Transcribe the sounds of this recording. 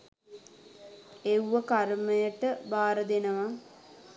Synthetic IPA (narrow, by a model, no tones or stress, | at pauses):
ewʋəkaɾməjəʈəbaːɾəd̪enəʋa